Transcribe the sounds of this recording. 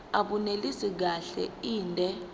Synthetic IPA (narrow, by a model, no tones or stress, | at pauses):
aɓunelisik̬aɬɛ̰iːndʱɛ